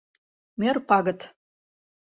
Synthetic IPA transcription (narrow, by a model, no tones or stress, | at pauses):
merpɑɡə̆t̪